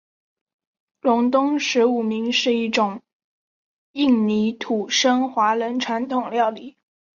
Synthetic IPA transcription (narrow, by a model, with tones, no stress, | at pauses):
lʊ˧˥ŋt̪ʊ˥ŋʂɻ̩˧˥u˨˩mi˧˥ŋʂɻ̩˥˧i˥˩ʈ͡ʂʊ˨˩ŋ | i˥˩ŋni˧˥t̪ʰu˨˩ʂə˥ŋxwa˧˥lə˧˥nʈ͡ʂʰwa˧˥nt̪ʰʊ˨˩ŋljɑ˥˩ʊli˨˩˦